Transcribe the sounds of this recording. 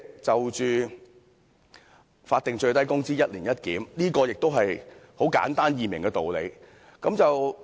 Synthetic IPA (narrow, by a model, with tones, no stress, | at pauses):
t͡sɐ˨wt͡ʃyː˨˧ | faː˧t̪̚ɪ˨ŋt͡ʃɵ˧ɥt̪ɐ˥jkʊ˥ŋsiː˥jɐ˥t̚liː˨˩njɐ˥t̚kiː˨˥mliː˥kɔː˧jɪ˨k̚t̪o˥wɦɐ˨jho˨˥wka̰ː˨˥nt̪aː˥njiː˨˩mɪ̰˨˩ŋkɛː˧t̪o˨wle˨˧j | kɐ˨˥mt͡sɐ˨w